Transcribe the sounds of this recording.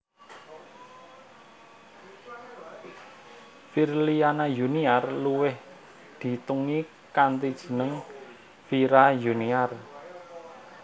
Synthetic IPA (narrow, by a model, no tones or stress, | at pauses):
firlianajuniarluwɪh | d̪̥i̤t̪uŋi | kant̪id̥ʒ̥i̤nəŋ | fiɾajuniar